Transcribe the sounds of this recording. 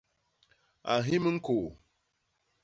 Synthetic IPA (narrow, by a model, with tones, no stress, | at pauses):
a˨ɦi˦mə˦ŋ̩˦ko˨